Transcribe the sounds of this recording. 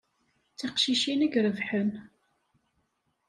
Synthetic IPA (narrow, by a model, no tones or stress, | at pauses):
t͡sːiqʃiʃinəɡɾəvħən